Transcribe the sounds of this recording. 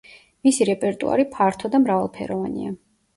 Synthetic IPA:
misiɾɛpʼɛɾt̪ʼṵa̰ɾipʰaɾt̪ʰɔd̪amɾavalˠpʰɛ̰ɾɔvanḭa

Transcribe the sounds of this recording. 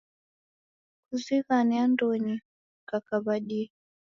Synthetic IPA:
kuziɣanɛandɔɲi | kakaβaɗii

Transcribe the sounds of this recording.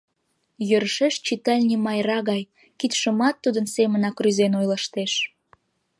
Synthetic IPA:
jøɾʃeʃt͡ɕit̪ɑlʲnʲimɑjrɑɣɑj | kit̪ʃəmɑt̪ːud̪ənsemənɑkryzenojlɑʃt̪eʃ

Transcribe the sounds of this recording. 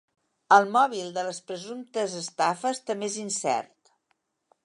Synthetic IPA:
əlˠmɔβilˠd̪ələspɾəzumt̪əzəst̪afəst̪əmbezinsɛ̰rt̪

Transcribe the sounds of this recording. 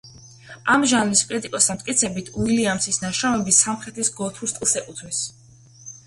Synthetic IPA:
amʒanliskʼɾit̪ʼikʼɔst̪ʰamt̪ʼkʼit̪sʰɛbit̪ʰuiliamtsʰisnaʃamɛbisamχɛt̪ʰisɡɔt̪ʰuɾst̪ʼlˠsɛkʼut̪ʰmis

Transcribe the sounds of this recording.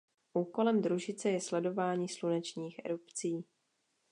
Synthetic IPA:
ʔuːko̞lɛmd̪ɾuʒɪt͡sɛjɛslɛdo̞vaːɲiːslunɛt͡ʃɲiːxʔɛ̰ɾupt͡siː

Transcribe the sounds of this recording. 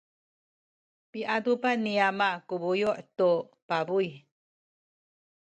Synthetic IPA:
piʔadupaniamakubujuʔtu | pabuj

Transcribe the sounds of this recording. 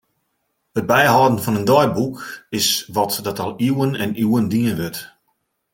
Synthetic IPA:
ət̚bɛjɦɔːdən̩fɔnəndɔjbukɪsʋɔtdɔtɔlˠiwənɛnuːəndiənʋøt

